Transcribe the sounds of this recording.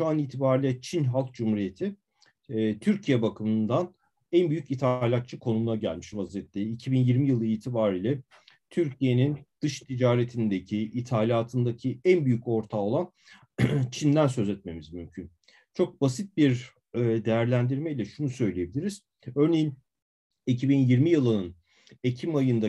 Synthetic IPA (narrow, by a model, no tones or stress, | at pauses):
ʃuaniːt̪ʰibaːɾilʲɛt͡ʃʰinɦalˠk̚d͡ʒumhuɾije̞t̪ʰi | t̪ʰyɾcʰijɛbakʰɯmɯnd̪an | ænbyjycit̪ʰalʲat̪̚t͡ʃʰɯkʰo̞numunaɟæ̰lʲmiʃvazijɛt̪lʲɛicʰibinjiɾmijɯlˠɯiːt̪ʰibaːɾiːlʲɛ | t̪ʰyɾcʰije̞nind̪̥ɯʃt̪ʰid͡ʒaːɾet̪ʰinid̪ecʰiit̪ʰaːlʲaːt̪ʰɯnd̪acʰiænbyjyco̞ɾt̪ʰao̞lˠan | t͡ʃʰind̪ænsø̞zɛt̪̚me̞mizmymcʰyn | t͡ʃʰo̞k̚basit̪̚biɾ | d̪e̞jæɾlʲænd̪iɾmɛilʲɛʃunusø̞jlʲije̞bilʲiɾiz̥ | øɾne̞jin | icʰibinjiɾmijɯlˠɯnɯn | e̞cʰimajɯnd̪a